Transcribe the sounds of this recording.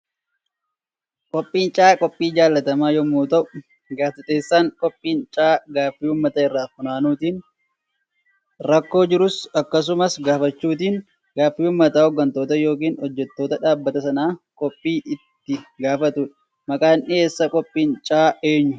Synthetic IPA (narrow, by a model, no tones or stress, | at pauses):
kʼɔpʼːiːnt͡ʃʼaːkʼɔpʼːiːd͡ʒaːlːɐt̪ɐmaːjɔmuːt̪ɐʔʊ | ɡaːfɐt̪eːsːaːŋkʼɔpʼːiːnt͡ʃʼaːɡaːfːiːʊːmːɐt̪ɐːɪrːaːfʊnaːnuːt̪iːn | ɾɐkːo̞ːd͡ʒɪɾʊsɐkːɐs̬ʊmɐsɡaːfɐt͡ʃːuːt̪iːn | ɡaːfːiːʊːmːɐt̪aːhɔɡːɐnt̪o̞ːt̪ɐjo̞ːk̬iːnhɔd͡ʒːɛt̪ːo̞ːt̪ɐᶑaːbːɐt̪ɐsɐnaːkʼɔpʼːiːʔɪt̪ːɪɡaːfɐt̪ʊᶑɐ̥ | mɐkʼaːnʔɪeːsːɐkʼɔpʼːiːnt͡ʃʼaːe̞ːɲːʊ